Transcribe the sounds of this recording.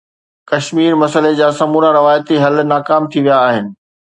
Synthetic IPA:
kɐʃmiːɾmɐsəled͡ʑaːsɐmuːɾãɾɪʋaːjət̪iɦɐlnaːkaːmt̪ʰiʋijaːɦɪnɪ̆

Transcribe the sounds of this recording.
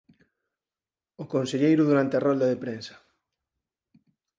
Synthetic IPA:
okonseʎejɾʊðuɾant̪earɔld̪aðepɾensɐ̥

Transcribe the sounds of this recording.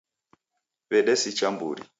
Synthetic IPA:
βɛɗɛsit͡ʃambṵɾḭ

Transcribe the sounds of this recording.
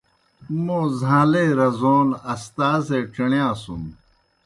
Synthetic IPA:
mõːzʱãːleːɾɐzoːlɐst̪aːzeːʈ͡ʂɐɳjãːsum

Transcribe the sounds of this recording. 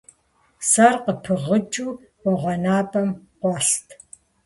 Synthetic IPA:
sarqəpʰɨʁət͡ʃʼuː | wɔʁʷɔnaːbʼɐmqʷɑɬtʰ

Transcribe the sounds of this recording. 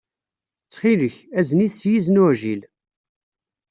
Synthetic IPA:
t͡sːχiləçæzniθsjiznuʕʒil

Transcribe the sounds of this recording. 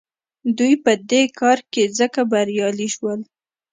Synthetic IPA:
d̪ujpəd̪ekɑɾkezəkabaɾjɑliʃwəl

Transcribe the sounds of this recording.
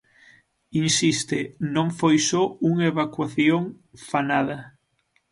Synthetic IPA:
insist̪enõŋfojsouŋeβakwaθjoŋ | fanað̞ɐ

